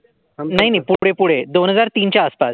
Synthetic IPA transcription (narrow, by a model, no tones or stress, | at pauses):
naɦinapuɽepuɽ̤ed̪onɦəd͡zaɾt̪iːnt͡ɕjaːspas